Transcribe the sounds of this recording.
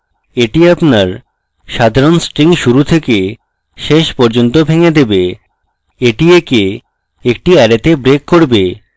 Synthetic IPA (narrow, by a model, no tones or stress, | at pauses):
eʈiapnaɾ | ʃad̪ʱaɾonsʈɾiŋʃuɾut̪ʰeke | ʃeʃpɔɾd͡ʑont̪obʱeŋed̪ebe | eʈieke | ek̚ʈiɛɾet̪ebɾekːoɾbe